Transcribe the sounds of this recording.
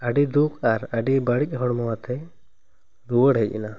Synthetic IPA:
əɖid̪ukʰaɾəɖibəɽic̚ˀɦɔɽmɔwat̪ʰɛ | ɾuwəɽɦəc̚ˀḭna

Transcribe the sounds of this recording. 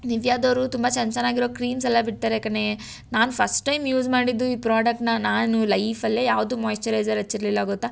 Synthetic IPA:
niʋjaːd̪oːɾut̪umbɐt͡ʃɐnt͡ʃɐnaːɡiɾoːkɾiːns̬ɛlːɐbiʈ̚t̪aːɾekɐne | naːnupʰɐsʈʈɐjmjuːd͡ʒmaːɽid̪ːuiːpɾaːɖɐk̚ʈnɐnaːnulɐjfɐlːejaːʋɐd̪uːmɐːjsʈɐɾɐjd͡ʒɐɾɐt͡ʃːiɾlilːaːɡut̪ːa

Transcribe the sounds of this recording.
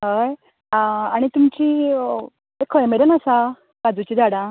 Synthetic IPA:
ɦəj | aɽ̃it̪umt͡ɕiː | ekʰəjmeɾənasa | kad͡zut͡ɕid͡zaɽã

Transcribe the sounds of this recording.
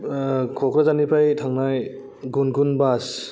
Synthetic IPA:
kʰɔkɾazanipʰajtʰaŋnaj | ɡunɡunbas

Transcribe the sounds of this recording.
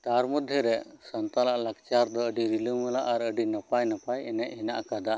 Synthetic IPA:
t̪aɾmɔd̪ʱjəɾɛsɔnt̪alaʔlak̚t͡ʃaɾd̪ɔəɖiɾilumulaʔaɾəɖinapajnapajɛnɛʔhɛnaʔkad̪a

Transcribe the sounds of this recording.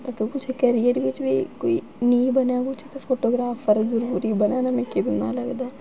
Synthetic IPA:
takĩkʊt͡ʃʰekəɾijəɾʋɪt͡ʃbiːkoːiː | nĩːbənjaːkʊt͡ʃʰːt̪epʰoːʈoːɡɾaːfəɾzəɾuːɾiːbənaːnamɛ̃ːkid̪ɪnd̪a̰ːləɡd̪aɛ

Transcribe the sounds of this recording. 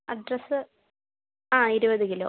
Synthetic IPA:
ɐɖrɐsɨ | aːiɾubɐðeŋɡilo̰ː

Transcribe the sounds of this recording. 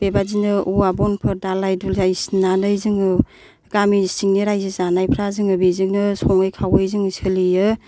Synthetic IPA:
b̥ebazinɯʔuabɔnpʰɯɾdalajdulzajsnanɯjzɯŋɯ | ɡ̥amisiŋniɾajzizanajpʰɾazɯŋɯbizɯŋnɯsɔŋɯjkʰawɯjzɯŋɯsɯlijɯ

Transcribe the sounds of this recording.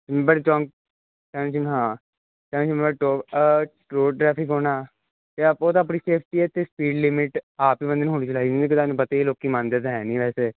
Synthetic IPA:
mbəɽet͡ʃɔ̃ːŋ | t͡ʃɛnt͡ʃimɦãː | t͡ʃɛːnːt͡ʃimbəʈoːʈɾoːʈɾɛːpʰɪkɦoːnaː | t̪eəpoːt̪ãːp̬niseːpʰʈiɛːt̪espiːɖlɪmɪʈaːpiːʋə̃nd̪nɦoːnit͡ʃlaːid͡ʒ̪ekɪt̪aːnpət̪eːiloːkːiːmãːnd̪eːt̪̬ɦɛːnĩːʋɛːseː

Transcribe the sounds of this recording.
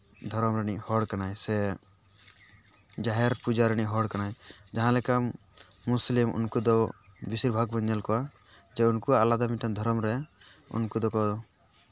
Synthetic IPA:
d̪ʱɔɾɔmɾɛniʔhɔɽkanaɛsɛ | d͡ʒaɦɛɾpud͡ʒaɾɛñiɦɔɽkanajd͡ʒaɦãlɛka | muslimṵnkud̪ɔbisiɾbʱaɡbɔɲːalkɔwa | d͡ʒɛunkuaːlad̪amiʈand̪ʱɔɾɔmɾɛṵnkud̪ɔkɔɔ

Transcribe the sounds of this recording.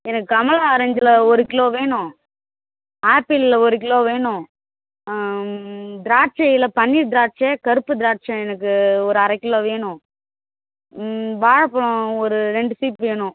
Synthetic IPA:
ɛnɐkːɯɐmɐlaɐɾɐɲd͡ʒɪlɐɔɾɯkːɪloːʋeːɳʊ̃ | aːpilɪlɐɔɾɯk̬ːɪloːʋeːɳʊ̃ | d̪ɪɾaːʈ̚t͡ʃɐjɪlɐpɐnːid̪ɪɾaːʈ̚t͡ʃeːkɐɾɯpːɯd̪ɪɾaːʈ̚t͡ʃɐɛnɐk̬ːɯɔɾɯɐɾɐɪkːɪloːʋeːɳʊ̃ | ʋaːɻɐpːɐɭʊ̃ɔɾɯɾɛɳɖɯsiːpʋeːɳʊ̃

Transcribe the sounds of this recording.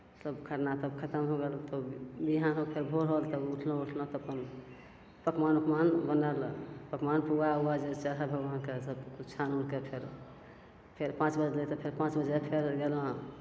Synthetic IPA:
mət̪ləbkʰəʈnat̪əbkʰət̪əmɦoɡelt̪ɔbiɦanɦopʰeɾbʱoɾɦolt̪əbuʈʰlə̃uʈʰlə̃t̪ɔːpən | pəkmanupmanbənalpəkmanpuauwad͡ʒet͡ʃəɾɦabʱəɡʋankesəbkut͡ʃʰanunkepʰeɾ | pʰeɾpãt͡ʃbəd͡ʒlet̪ɔpʰeɾpãt͡ʃbəd͡ʒepʰeɾɡelə̃

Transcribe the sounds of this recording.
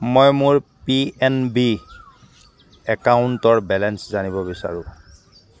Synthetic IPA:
mojmʊɹpiɛnbi | ɛkaʊntɔɹbɛlɛnszanibɔbisa̰ɹʊ̃

